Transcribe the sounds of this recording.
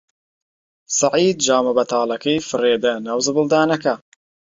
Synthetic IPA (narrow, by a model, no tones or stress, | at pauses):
sɑʕiːd̪̚d͡ʒaːmɐbɐt̪ʰaːlˠɐkɐjfɨreːd̪ɐnɐwzɨbɨlˠd̪aːnɐkɐ